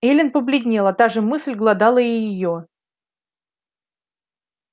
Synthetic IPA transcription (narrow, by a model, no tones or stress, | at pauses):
elʲɪnpəblʲɪdʲnʲelˠɐt̪aʐɨmɨslʲɡlˠɐd̪ɑlˠəɪjɪjo